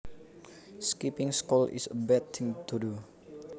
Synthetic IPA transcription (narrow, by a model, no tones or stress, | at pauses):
skipɪŋskulḭsəbɛt̪ɪŋt̪udu